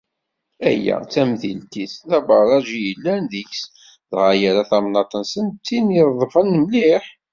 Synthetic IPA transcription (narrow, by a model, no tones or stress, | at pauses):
æ̰jːæ̰t͡sːæmðilt̪iθθæbɑɾɾˤɑʒijəlːænðiçs | ðʁajæɾaθɑmnɑt̪ˤənsənt͡s̪ːiniɾˤðˤfənːəmliħ